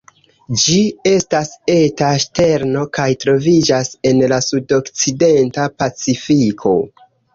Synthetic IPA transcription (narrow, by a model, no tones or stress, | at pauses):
d͡ʒie̞stase̞taʃte̞ɾno̞kajtɾo̞vid͡ʒase̞nlasudo̞kt͡side̞ntapat͡sifikʰo̞̰